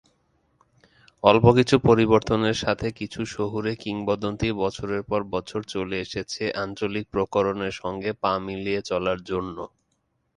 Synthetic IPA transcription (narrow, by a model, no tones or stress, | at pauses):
ɔlpokit͡ɕʰupoɾiβoɾt̪oneɾʃat̪ʰekit͡ɕʰuʃoɦuɾekiŋbɔd̪ont̪ibɔt͡ɕʰoɾeɾpɔɾbɔt͡ɕʰoɾt͡ɕoleeʃet͡ɕʰeʔant͡ɕolik̚pɾokoɾoneɾʃɔŋɡepamiliet͡ɕɔlaɾd͡ʑonːo